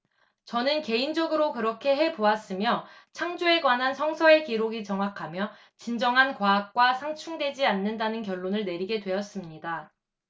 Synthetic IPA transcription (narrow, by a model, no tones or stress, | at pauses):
t͡ɕʌnɯnke̞ind͡ʑʌɡɯɾokɯɾʌkʰe̞ɦe̞poas͈ɯmjʌ | t͡ɕʰaŋd͡ʑue̞ɡwanɦansʰʌŋsʰʌe̞kiɾoɡit͡ɕʌŋɦakʰamjʌ | t͡ɕind͡ʑʌŋɦankwaːk̚k͈wasʰaŋt͡ɕʰuŋdwe̞d͡ʑianːɯndanɯnkjʌɭːonɯɭne̞ɾiɡe̞dwe̞ʌs͈ɯmɲida